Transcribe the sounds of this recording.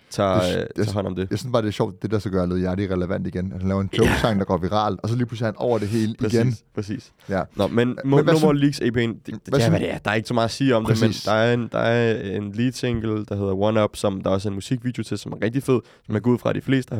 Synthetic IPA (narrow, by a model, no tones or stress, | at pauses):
t͡sʰɑ̈ɑɦɒn̰ɒ̽md̥e̝jɑsynsb̥ɑ̈ːd̥e̝æɐɕɒʊ̰d̥d̥e̝d̥ɑsɡ̥ɶɐle̝ð̞̩ˠjæɐɾ̥iʁɛləʋæn̰d̥iɡ̥enæ̥hænlɛːʊɐenɡʰoʊ̥sɑ̈ŋd̥ɑ̈ɡɒ̰ːʋiʁɑ̰̈ːlɒ̽s̬ɒ̽liːpʰlusihænɒʊɐd̥e̝ɦe̝ːlpiɡ̥einpʰɛsḭːs | nɒmenmomɐliːɡ̥sḛpʰe̝̰nd̥d̥eæʋæɾ̥eæɐd̥ɑ̈æɐe̝ɡ̥əsɒ̽mɑ̈ːðˠɐsiːɒ̽m̥ʰemend̥ɑ̈æɐend̥ɑ̈æɐenliːd̥seŋ̰ɡ̥l̩d̥ɑ̈ɦe̝ð̞̰ˠɐwɒnɒb̥sɒ̽md̥ɑ̈ɒ̽s̬əe̝nmusiɡ̥̚ʋiːd̥jo̝t͡sʰe̝lsɒ̽mæɐʁɛɡ̥̚d̥ife̝ð̞̰ˠsɒ̽mæɐɡ̥uð̞̰ˠfʁɑɾ̥ifle̝̰ːsd̥ə